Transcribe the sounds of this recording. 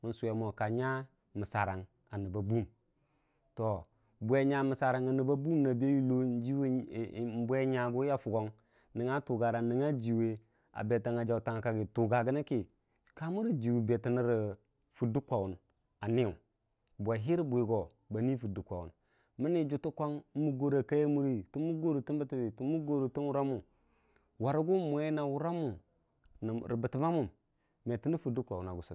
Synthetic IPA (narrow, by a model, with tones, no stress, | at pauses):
mə˨nsu˨e˨mo˨ka˨ɲa˦ | mə˨sa˨ɾa˨ŋ | a˨ni˨ba˨bu˦m | to˨ | bʷe˨ɲa˨mi˨sa˨ɾa˨ŋa˨ni˨ba˦bu˦mna˨bi˦a˦ji˦lo˦n˦d͡ʒi˦wm˦bʷe˦ɲa˨ɡu˦ja˦fu˨ɡo˦ŋ | ni˨ŋa˦tu˨ɡa˨ɾa˨ni˨ŋa˦d͡ʒi˨we˦ | a̰˨be˨ta˨ŋa˨d͡ʒa˨u˨ta˨ŋ˨ka˨ɡi˨tu˨ɡa˨ɡə˦na˦ki˨ | ka˦mu˦ɾi˨d͡ʒi˨wu˨be˨ti˨ni˦ɾi˨ | fu˨du˦kʷa˨wu˨n | a˨ni˦u˨ | bʷa˨ɦi˦ɾi˦bu˨i˨ɡo˨ | ba˨ni˦fu˨du˨kʷa˨wṵ˨n | mə˦ni˦d͡ʒu˨tu˦kʷa˦ŋ˦mu˨ɡo˨ɾa˨ka˦je˦mu˦ɾi˦tu˦mu˦ɡo˦ɾu˨ti˦nbə˦ti˨bi˨tu˦mu˦ɡo˦˨ɾu˨ti˦nwu˦ɾa˦mu˨ | wa˨ɾu˦ɡu˦mʷ˨e˦na˨wu˦ɾa˦mu˨ | n˨ɾi˨bə˨ti˨ma˦mu˨m | m˨e˨ti˦ni˦fu˨du˦kʷa˨wu˨na˨ɡu˨su˨